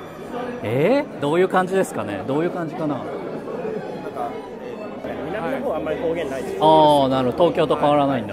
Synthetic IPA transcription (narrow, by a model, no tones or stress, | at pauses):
ed̪o̞ːjɯ̟ːkãɲ̟d͡ʑid̪e̞sɨ̥kane̞̰d̪o̞ːjɯ̟ːkãɲ̟d͡ʑikana̰ | ka | inoamːaɾikoːɡẽnːaiaːnaɾɯɦod̪ot̪oːkʲo̞ːt̪o̞kaβaɾanaĩnd̪a